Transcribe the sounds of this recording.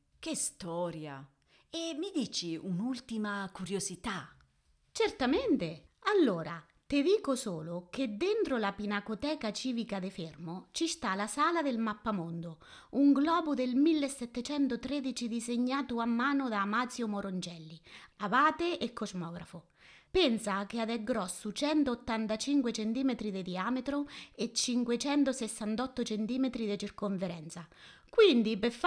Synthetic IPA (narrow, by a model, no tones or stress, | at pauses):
kest̪ɔːɾja̰ | emid̪iːt͡ʃiunult̪imakuɾjozit̪a | t͡ʃert̪ament̪ealːoːɾa | t̪ɪd̪iːkosoːlʊk̟ed̪ːɪnt̪ɾolapinakot̪ɛːkat͡ʃiːvikad̪ɪfermʊt͡ʃist̪alasaːlad̪elmapːamond̪ʊ | uŋɡlɔːbud̪elmilːesːɛt̪ːet͡ʃɛnt̪ʊt̪ɾed̪it͡ʃid̪izeɲːaːt̪uamːaːnʊd̪aːmat̪sjomoɾond͡ʒɛlːiavaːt̪eekʰːozmɔːɡɾafʊ | pɛnsak̟ead̪ɛɡːɾɔsːut͡ʃɛnt̪oːt̪ːant̪at͡ʃiŋkwet͡ʃent̪iːmet̪ɾid̪ed̪iaːmet̪ɾʊet͡ʃːiŋkwet͡ʃɛnt̪ʊsɛsːant̪ɔt̪ːʊt͡ʃent̪iːmet̪ɾid̪et͡ʃirkoɱfeɾɛnt̪sakwind̪ipef